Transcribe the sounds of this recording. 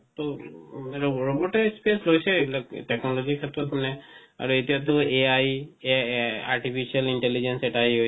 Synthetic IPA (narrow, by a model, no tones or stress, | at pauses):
t̪o | ɔɹɔbɔʈɛspeslojsɛbilaɡʈɛknɔlɔzikʰat̪ɾɔt̪manɛa̰ɹuet̪ijat̪̬ʊeaj | a̰ɹʈipʰisialiɳʈelid͡ʒɛnsɛʈaɦiɦoj